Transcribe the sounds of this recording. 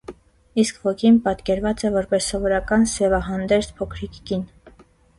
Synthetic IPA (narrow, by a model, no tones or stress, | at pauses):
iskvɔkʰinpɑt̪kɛɾvɑt͡sɛvɔɾpɛsːɔvɔɾɑkɑnsɛvɑɦɑnd̪ɛɾt͡spʰɔkʰɾikːin